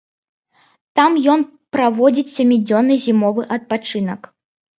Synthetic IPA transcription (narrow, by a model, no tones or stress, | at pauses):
t̪amjɔn | pɾavɔd͡zʲit͡sʲsʲamʲid͡zʲɔnːɨzʲimɔvɨʔɐt̪̚pat͡ʂɨnɐk